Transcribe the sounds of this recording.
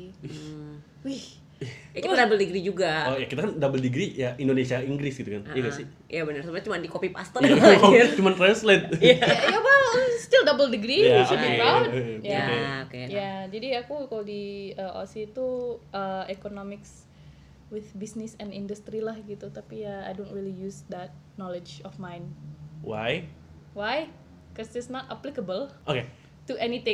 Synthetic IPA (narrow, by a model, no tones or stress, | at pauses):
wih | jakit̪adabəldəɡɾid͡ʒuɡaɔjakit̪akandabəldəɡɾijaʔindonesiaiŋɡɾɪsɡit̪ukanjaɡaʔsɪ | jʔabənərsamaɲat͡ʃumandikopipa̰st̪ə | t͡ʃumant̪ɾanslɪt̪̚jaawast̪ɪldabəldəɡɾijsiajaokejad͡ʒadiakukalodiəo̰sit̪uʔəekonomɪks | wɪθbisnɪsɛnindust̪ɾilahɡit̪ut̪apijaa̰jdontɾilijusd̪ɛt̪̚nɔled͡ʒɔfmajnwa̰j | waj | kɔsɪsnɔt̪aplikəbəlʔoke | tuʔɛnit̪ɪ̃